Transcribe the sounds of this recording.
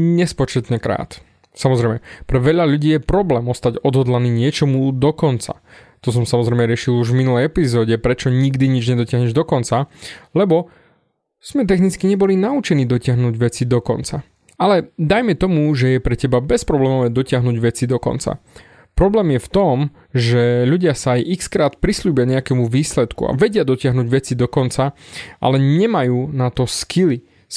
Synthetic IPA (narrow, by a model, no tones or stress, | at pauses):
ɲɛspɔt͡ʃɛt̪ɲɛkɾa̰ːt̪ | samɔzɾɛjmɛpɾɛʋɛʎaʎuɟiːjɛpɾɔblɛːmɔst̪aɟɔd̪ɦɔd̪laniːɲɪɛt͡ʃɔmud̪ɔkɔnt͡sa̰ | t̪ɔs̬ɔmsamɔzɾɛjmɛɾɪɛʃiluʒvminulɛjɛpizɔːɟɛpɾɛt͡ʃɔɲiɡd̪iɲid͡ʒɲɛd̪ɔcɪaɦɲɛʒd̪ɔkɔnt͡salɛbɔ | z̥mɛt̪ɛxnit͡skiɲɛbɔlinaut͡ʃɛniːd̪ɔcɪaɦnuːɟʋɛt͡sid̪ɔkɔ̰nt͡sa̰ | alɛd̪ajmɛt̪ɔmuʒɛjɛpɾɛcɛbabɛspɾɔblɛːmɔʋɛːd̪ɔcɪaɦnuːɟʋɛt͡sid̪ɔkɔ̰nt͡sa̰ | pɾɔblɛːmjɛft̪ɔm | ʒɛʎuɟɪasaːjʔikskɾaːt̪pɾisluːbɪaɲɛakɛmuʋiːslɛt̪kṵa̰ʋɛɟɪad̪ɔcɪaɦnuːɟʋɛt͡sid̪ɔkɔnt͡saʔa̰lɛɲɛmajuːnat̪ɔskʰili